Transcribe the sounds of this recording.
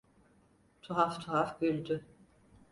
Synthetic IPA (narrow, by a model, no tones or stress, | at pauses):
t̪ʰuɦaft̪ʰuɦafɡylʲd̪y